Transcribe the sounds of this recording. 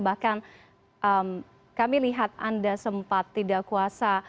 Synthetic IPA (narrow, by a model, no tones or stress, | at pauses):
bahkan | ʔəm | kamiliɦat̪̚andasəmpat̪ːidaʔkuasa